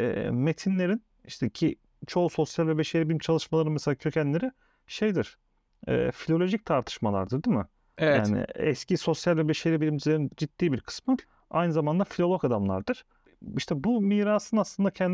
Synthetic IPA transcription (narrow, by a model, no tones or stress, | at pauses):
ɛ̰ːme̞t̪ʰinlʲe̞ɾin | iʃt̪ʰɛcʰi | t͡ʃʰo̞so̞sjalʲvɛbeʃeɾʲibilʲimt͡ʃʰalˠɯʃmalˠaɾɯnmɛselʲaːcʰø̞cʰænlʲe̞ɾi | ʃe̞jd̪iɾ̥ | ɛ̰ːfilʲo̞lʲo̞ʒic̚t̪ʰaɾt̪ʰɯ̥ʃmalˠa̰ɾd̪ɯɾd̪imɯ | ejaːnɪ̰ɛ̰sciso̞sjalʲvɛbeʃeɾibilʲimd͡ʒizʲeɾind͡ʒit̪ːiːbiɾkʰɯ̥smɯ | a̰jnɯzamand̪afilʲo̞lʲˠokad̪amlˠa̰ɾd̪ɯɾ̥ | iʃt̪ʰɛbumiːɾaːsɯnaslˠɯnd̪acʰɛnd̪